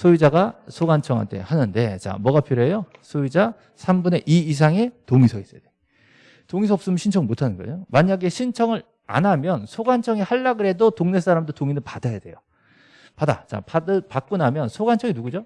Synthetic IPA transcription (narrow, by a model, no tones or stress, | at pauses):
sʰoid͡ʑaɡasʰoɡant͡ɕʰʌŋɦa̰ntʰe̞̰hanɯnde̞t͡ɕa̰mwʌɡapʰiɾoɦejosʰoid͡ʑa | sʰambune̞ʔiis̬ʰaŋe̞toŋisʰʌis͈ʌjad̥e | toŋisʰʌːp̚s͈ɯmʌnɕʰint͡ɕʰʌŋɭmotʰanɯnɡʌ̰omaɲaɡe̞ɕʰint͡ɕʰʌŋɯɾ | a̰namjʌnsʰoɡant͡ɕʰʌŋihaɭːaɡɯɾɦe̞dotoŋne̞s͈aɾamdotoŋinɯɭpadajade̞̰jo | pada̰t͡ɕa̰padɯpak͈̚onamjʌnsʰoɡant͡ɕʰʌŋinuɡud͡ʑo